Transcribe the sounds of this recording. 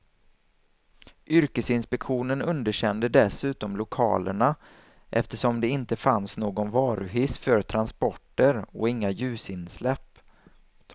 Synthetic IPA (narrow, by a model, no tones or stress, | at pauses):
ʔʏɾkəsɪnspɛkɧuːnənɵnd̪əɕɛnd̪əd̪ɛsʉ̟ːt̪ɔmlʊkʰɑ̰ːlə̰ɳa | ʔɛft̪əʂɔmd̪ɛɪnt̪əfansnoːɡɔnvɑːɾɵɦɪsfœɾt̪ʰɾanspɔʈːəɾɔɪŋːajʉ̟ːsɪnslɛpː